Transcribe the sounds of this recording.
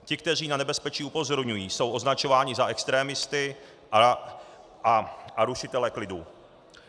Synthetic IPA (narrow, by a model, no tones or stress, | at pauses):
cɪk̚t̪ɛr̝iːnanɛbɛspɛt͡ʃiːupo̞zo̞ɾɲujiːso̞wʔo̞znat͡ʃo̞vaːɲɪzaʔɛkst̪ɾɛːmɪst̪ɪ | aʔaɾuʃɪt̪ɛlɛklɪdu